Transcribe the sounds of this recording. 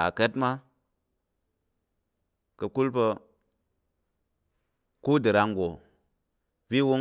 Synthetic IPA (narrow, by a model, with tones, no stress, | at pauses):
a̰˨ke˦tma˦ | kə˨ku˦lpə˧ | ku˦də˨ɾa˨ŋɡo˨ | vi˦wo˦